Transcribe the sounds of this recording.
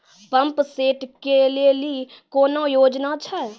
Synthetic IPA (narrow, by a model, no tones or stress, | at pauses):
pə̃mpseːʈkelelikoːnõjoːd͡ʒnat͡ʃʰa